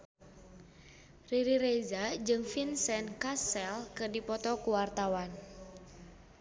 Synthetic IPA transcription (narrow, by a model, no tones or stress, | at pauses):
riɾiɾezad͡ʒɨŋfinsɛnkasɛlkɨrdipɔt̪ɔkuwart̪awan